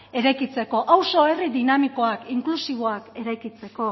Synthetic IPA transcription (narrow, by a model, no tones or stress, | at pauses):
e̞ɾajkit͡se̞ko̞ʔawso̞e̞riðinamiko̞akiŋklusiβ̞o̞ake̞ɾajkit͡se̞ko̞